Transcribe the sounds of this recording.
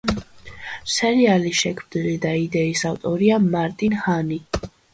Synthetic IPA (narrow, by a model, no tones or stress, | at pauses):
sɛɾialiʃɛkʰmd̪ilid̪aid̪ɛisavt̪ʼɔɾiamaɾt̪ʼinhani